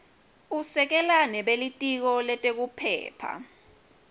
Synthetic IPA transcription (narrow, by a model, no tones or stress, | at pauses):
usɛk̬ɛlanɛɓelitʼik̬ɔlɛtʼek̬upʰɛ̰ːpʰa̰